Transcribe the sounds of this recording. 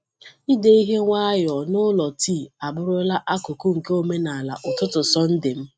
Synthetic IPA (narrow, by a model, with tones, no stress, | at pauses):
i˦de˦i˦ɦe˦ŋʷa˦jɔ˨nʊ˦lɔ˨tiː˦˨a˨bʊ˦ɾʊ˦la˦ʔa˦kʊ˨ku˦ŋ̩˨ke˦o˨me˦na˨a˨la̰˨ʔʊ˨tʊ˦tʊ˨sɔ˦n̩˦dɪ˨m̩˦